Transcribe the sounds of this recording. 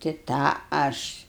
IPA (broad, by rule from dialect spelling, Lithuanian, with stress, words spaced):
tʲɪ ˈtɑː ˈɐʃ